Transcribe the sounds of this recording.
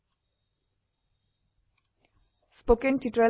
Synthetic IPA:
spokɛ̃ntitɹɛ

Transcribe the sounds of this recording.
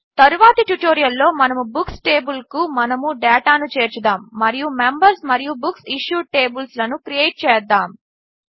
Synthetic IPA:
t̪ɐɾuʋaːt̪ɐʈjuʈoːɾijɐlːo̞ːmɐnɐmubuksʈeːbulkumɐnɐmuɖɛːʈaːnut͡ʃe̞ːɾt͡ʃud̪aːmːɐɾijumembɐɾsmɐɾijubuksiʃjuːʈeːbulslɐnukɾijeːjʈ̚t͡ʃɛːd̪ːaːm

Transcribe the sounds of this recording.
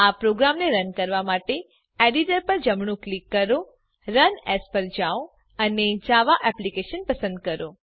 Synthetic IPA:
apɾoɡɾamneɾənkəɾʋamaʈe | ɛɖiʈəɾpəɾd͡ʒəmɳ̃ũklikːəɾo | ɾənɛspəɾd͡ʒao | əned͡ʒaʋaʔɛplikeʃənpəsə̃nd̪̚kəɾo

